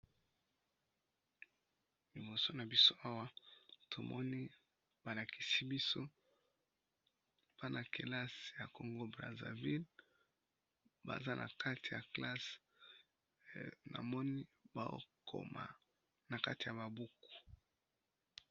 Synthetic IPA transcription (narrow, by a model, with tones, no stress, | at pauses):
li˨bo˨so˦na˨bi˦so˦ʔa˦wa˦tʰo˨mɔ˦ni˦ | b̥a˨la˨kʰi̥˨si˦bi˦so˦ | pa˦na˨ke˨la˦sja˨ko˨ŋɡo˦bʁa̰˨za̰˨vi˦l | ba̰˨za˦nʔa̰˨ka˦ti˨ja˨kla˦s | na̰˨mɔ˦ni˦ba˨o̰˦kʰo̰˨ma̰˨ | na˨ka˦ti˨ja˨ba˨bu˦ku̥˨